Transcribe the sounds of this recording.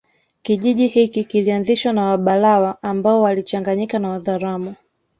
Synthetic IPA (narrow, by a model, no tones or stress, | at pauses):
kiʄiʄihikikilianziʃwanawaɓalawaʔːmbaɔwalit͡ʃaŋɡaɲikanawaðaɾamu